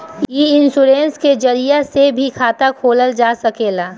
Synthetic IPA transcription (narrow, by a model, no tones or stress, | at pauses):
iɪnsuɾẽːnsked͡ʒɐɾijasebʱikʰaːt̪akʰoːləld͡ʒaːsɐkeːlaː